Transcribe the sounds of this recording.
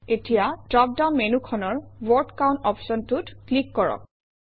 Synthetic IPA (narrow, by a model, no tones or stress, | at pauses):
etijatɹɔp̚daʊnmenukʰɔnɔɹwɔɹtkaw̃ntɔpsɔntutklikːɔɹɔ̰k̚